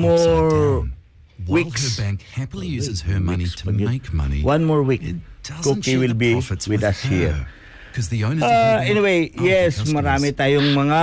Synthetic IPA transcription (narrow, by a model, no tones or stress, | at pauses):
mɔɹ | wikbæ̃ŋkhæpl̩ˠizəmnisʰpɐɡɪkmʌ̰nḭwãnmɔɹwikkokiwɪlbiwɪdɐshiɹ | kʰʌzðiõʊ̃naɛniwejjɛsmɐɾaːmɪt̪aːjoŋmɐŋa